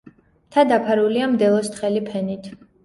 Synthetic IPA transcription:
t̪ʰad̪apʰaɾuliamd̪ɛlˠɔst̪χɛlipʰɛnit̪ʰ

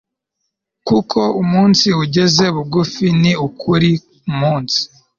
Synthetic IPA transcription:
kukʰo̞umuːnsiuɟe̞ze̞βuɡufiniukʰuɾi | umuːnsi̥

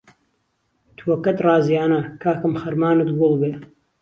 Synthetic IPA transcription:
t̪ʰwoːkɐt̪rɑːzjaːnɐkʰaːkɨmxɐɾmaːnɨt̪ɡʊlˠbeː

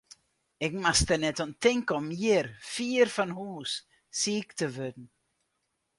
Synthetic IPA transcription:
ɪkmastənɛtɔntɪŋkɔmjɪɾfiːɾfanɦuːs | siːktəvødn̩

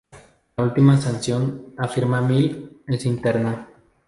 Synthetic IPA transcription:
ult̪imasansjonafiɾmamilensint̪eɾna

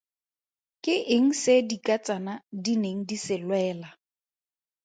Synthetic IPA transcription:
kʼɪʔɪŋ̩sɪdikʼat͡sʼanadineŋ̩disɪlwɛːla

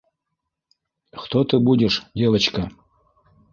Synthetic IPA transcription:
χt̪ot̪ɨbudʲɪʂdʲevət͡ɕkɐ

